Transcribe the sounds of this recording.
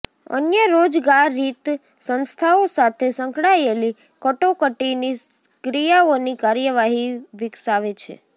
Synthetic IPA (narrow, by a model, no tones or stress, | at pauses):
ə̰njəɾod͡ʒɡaɾːit̪ | sənst̪ʰaosat̪ʰesəŋkɽaeli | kəʈokəʈini | kɾijaonikaɾjəʋaɦiʋɪksaʋet͡ʃʰḛ